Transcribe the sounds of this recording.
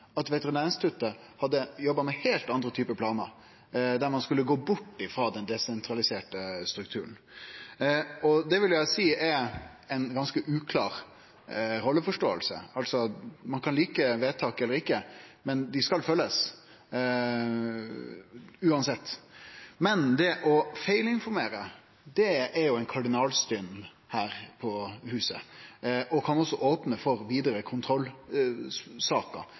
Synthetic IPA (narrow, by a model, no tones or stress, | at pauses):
ɑt̪ʋɛt̪əɾɪneːɾɪŋst̪ʰʉt̪ːə | hɑd̪ːəjɔbːɑmɛheːlt̪ɑnd̪ɾət̪ʰyːpəpʰlɑːnə̰ | d̪æɾmɑnskʉlːəɡoːbʊʈːɪfɾoːd̪ɛnd̪ɛsɛnt̪ʰɾɑlɪseːʈəst̪ɾʉk̚t̪ʰʉ̰ːɾən̩ | ɔd̪ɛʋɪljæɪsiːɛ | ɛnɡɑnskəʔʉːkʰlɑ̰ːɾ | ɾɔlːəfɔʂʈo̰ːəlsə̰ɑlsɔmɑnkʰɑnliːkəʋeːt̪ʰɑːkɛlːəɾɪkːəmɛnd̪ɪskɑlfœlːəs | ʉːɑnsɛt̪ːmɛnd̪ɛʔɔfæɪlɪnfɔɾmeːɾə | d̪ɛɛɾjʊæɪnkʰɑɖɪnɑːlst̪ʏn | hæːɾpʰɔhʉːsə | ɔkʰɑnɔsːɔʔoːpnəfɔɾʋiːd̪əɾəkʰʊnt̪ʰɾɔlː | sɑːkə̰